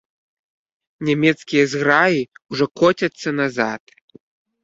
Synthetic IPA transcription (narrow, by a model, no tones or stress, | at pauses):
nʲamʲɛt̪skʲijɐzɣɾajiuʐɔkɔt͡sʲɐt̪sːɐnazat̪̚